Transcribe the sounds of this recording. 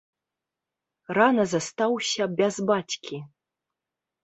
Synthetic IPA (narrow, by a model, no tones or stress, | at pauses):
ranɐzɐst̪awsʲɐbʲɛzbat͡sʲkʲʰi